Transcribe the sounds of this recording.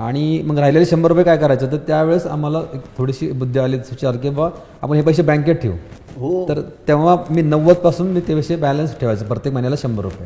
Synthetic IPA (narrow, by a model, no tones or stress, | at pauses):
a̰ɽ̃im̤əɡɾaɦileliɕəmbəɾupjekajkəɾajt͡səːt̪̬əɾt̪jaʋeɭəsa̰m̤alaekt̪ʰoɽiɕiːbud̪ʱːəaliːsut͡ɕalkĩʋa | a̰pəɳɦep̬əjɕ̬ebɛ̃ŋkeʈʈʰḛʋ | ɦot̪əɾt̪eʋamiːnəʋət͡spasuːnmiːt̪eʋeɕebælənsʈʰeʋajt͡səːpɾət̪jekmənjalaɕəmbəɾṵpje